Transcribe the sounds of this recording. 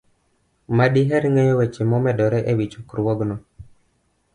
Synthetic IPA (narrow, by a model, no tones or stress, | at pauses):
madiɦɛɾŋejɔwet͡ʃemɔmɛdɔɾɛʔewit͡ʃukɾwɔɡnɔ